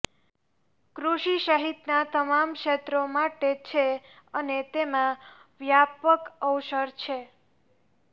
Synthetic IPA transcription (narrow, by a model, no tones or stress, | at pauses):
kɾuʃiʃəɦit̪nat̪əmamkʃet̪ɾomaʈet͡ʃʰe | ənet̪emãʋjapəkəwʃəɾt͡ʃʰe